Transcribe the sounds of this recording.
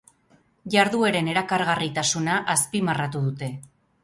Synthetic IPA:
ʝaɾðueɾe̞ne̞ɾakaɾɣarit̪asunaʔaspimarat̪uðut̪e̞

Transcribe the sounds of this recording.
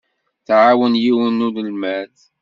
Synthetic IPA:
θʕawənjiwənːuðəlmæθ

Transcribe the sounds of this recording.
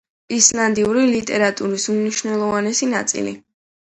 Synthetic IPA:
islˠand̪iuɾilit̪ʼɛɾat̪ʼuɾisumniʃvnɛlˠɔvanɛsinat̪sʼḭlḭ

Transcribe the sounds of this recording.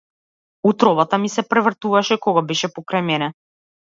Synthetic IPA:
ut̪ɾɔvat̪amisɛpɾɛvr̩t̪uvaʃɛkɔɡabɛʃɛpɔkɾajmɛnɛ

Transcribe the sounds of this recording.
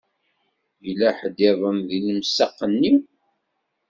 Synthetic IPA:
jlæħəd̪ɪðˤəmðiləmsɑqːənːiw

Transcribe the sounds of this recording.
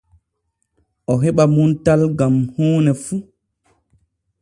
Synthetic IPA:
ʔɔɦɛɓamuntalɡamhuːnɛfu

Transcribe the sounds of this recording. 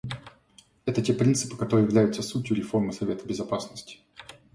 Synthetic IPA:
ɛt̪ətʲe̞pɾʲint̪sɨ̥pɨ̥kɐt̪o̞ɾɨːjɪvlʲæjʊt̪səsutʲjʊɾʲɪfo̞rmɨsɐvʲet̪əbʲɪzɐpasnəsʲtʲɪ̥

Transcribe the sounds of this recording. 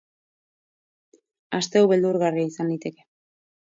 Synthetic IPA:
ast̪e̞awβeld̪uɾɣariaisand̪it̪e̞ke̞

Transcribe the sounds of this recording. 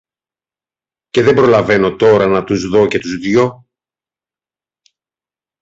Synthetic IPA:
ce̞ðe̞mbɾo̞lɐve̞no̞t̪o̞ɾɐnɐt̪uzðo̞ce̞t̪uzðʝo̞

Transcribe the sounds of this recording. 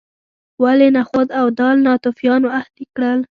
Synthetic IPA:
walenaxod̪awd̪ɑlnɑt̪ufjɑnoahd̪ikɽəl

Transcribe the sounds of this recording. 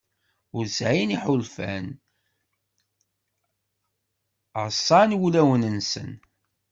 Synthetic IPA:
ʊɾsʕiniħʊlfæn | sˤːɑnwulæwənənsə̰n

